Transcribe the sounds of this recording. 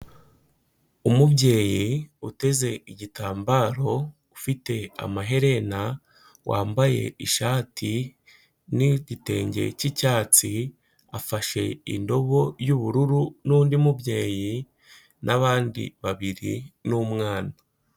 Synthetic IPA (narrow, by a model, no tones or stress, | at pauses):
umubɟe̞ːjiute̞ze̞iɟitaːmbaːɾo̞ | ufite̞a̰maɦe̞ɾe̞na | wʔa̰ːmbaje̞̰iʃaːti | niɟite̞ːɲɟe̞̰cicaːt͡si | afaʃe̞ḭndo̞βo̞juβuɾuɾunuːndimubɟe̞ːji | nʔaβaːndḭβaβiɾḭnumŋaːna